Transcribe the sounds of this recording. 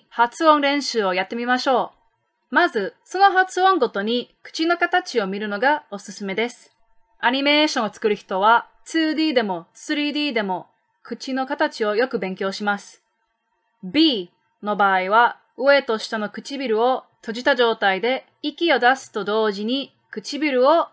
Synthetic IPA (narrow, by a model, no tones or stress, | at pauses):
hat͡sɨõ̞nɾẽ̞ɰ̃ɕɨːo̞jat̪ːe̞mʲimaɕo̞ː | mazɨso̞no̞ɦat͡sɨõ̞ŋɡo̞t̪o̞ɲ̟ikɯ̥t͡ɕino̞kat̪at͡ɕio̞mʲiɾɯ̟no̞ɡao̞sɨsɨme̞d̪e̞sɨ̥ | aɲ̟ime̞ːɕõɰ̃ot͡sɨ̥kɯ̟ɾɯ̟çi̥t̪o̞β̞a | t͡sɨːd̪ʲiːd̪e̞mo̞sɨɾʲiːd̪ʲiːd̪e̞mo̞ | kɯ̟t͡ɕino̞kat̪at͡ɕio̞jo̞kɯ̟bẽ̞ŋkʲo̞ːɕimasɨ̥ | bʲiː | no̞baːiβa | ɯ̟e̞t̪o̞ɕi̥t̪ano̞kɯ̟̥t͡ɕibʲiɾɯ̟o̞t̪o̞ʑit̪aʑo̞ːt̪aid̪e̞ | ikʲio̞d̪asɨ̥t̪o̞d̪o̞ːʑiɲ̟i | kɯ̟t͡ɕibʲiɾɯ̟o̞